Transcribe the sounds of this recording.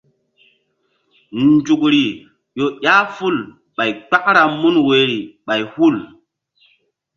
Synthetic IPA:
nd͡ʒu˨k̚ɾi˨ | jo˨ɗʲa˦fu˦˨l | ɓa˨jk͡pa˦k̚ɾa˨mu˦nwe˨ɾi˨ɓa˨jhu˦˨l

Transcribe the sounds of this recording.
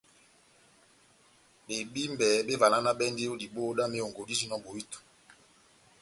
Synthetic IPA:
ɓe˨bi˦mbɛ˨˦be˦va˨na˦na˦ɓɛ˦nde˦o˦di˨bo˦da˦me˦o˨ŋɡo˨di˦zi˦nɔ˦bo˨wi˦to̥˨

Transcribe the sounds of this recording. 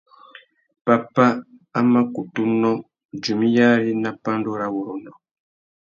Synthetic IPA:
pa˨pa˦ | a˦ma˦ku˨tu˦nɔ̃˦ | d͡ʒu˨mi˦ja˦ɾi˦na˦pa˦ndo˦ɾa˦wu˨ɾo˨nɔ˨

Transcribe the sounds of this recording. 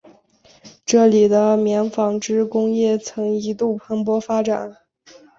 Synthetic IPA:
ʈ͡ʂɤ˥˩li˨˩d̪ə˦mjɛ˧˥nfɑ˨˩ŋʈ͡ʂɻ̩˥kʊ˥ŋjɛ˥˩t͡sʰɤ˧˥ŋi˧˥t̪u˥˩pʰa˧˥npwɔ˥fa˥ʈ͡ʂa̰˨˩˦n

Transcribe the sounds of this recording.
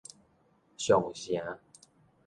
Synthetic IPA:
ɕjɔ˨˩ŋɕja˨˦

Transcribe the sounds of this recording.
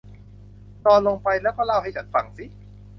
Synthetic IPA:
t̪ɔː˧nlo˧ŋpa˧jlɛː˦˥wkɔː˥˩la˥˩wɦa˥˩jt͡ɕʰa˦˥nfa˧˩ŋsi˦˥

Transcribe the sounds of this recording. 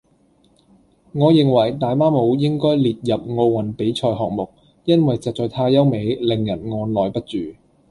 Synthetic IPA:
ŋɔː˨˧jɪ˨˩ŋwɐ˨˩jt̪aː˨jmaː˥mo˨˧wjɪ˥ŋkɔː˥jliː˨t̚jɐ˨p̚ŋo˧wwɐ˨˩npe˨˥jt͡ʃʰɔː˧jɦɔ̰ː˨k̚mʊ˨k̚ | jɐ˥nwɐ˨jt͡sɐ˨t͡sɔː˨˧jt̪ʰaː˧jɐ˥wme˨˧jlɪ˨ŋjɐ˨˩nŋɔː˧nlɔː˨jpɐ˥t̚t͡ʃyː˨˩

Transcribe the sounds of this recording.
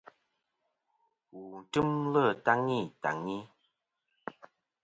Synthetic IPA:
u˨n̩˨tɨ˦mlə˦˨ta˦ŋi˦˨ta̰˨ŋi˦

